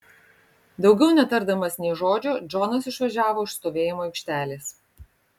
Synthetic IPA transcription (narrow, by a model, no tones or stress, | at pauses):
d̪ɒʊɡʲɛʊnʲɛt̪ɐɾd̪ɐmɐsnʲɛɪʒoːd͡ʒʲʊd͡ʒɔnɐs̬ɪʃʋɐʒʲæːʋoːɪʃst̪oːʋʲeːjɪmoːɪkʲʃʲt̪ʲæːlʲeːs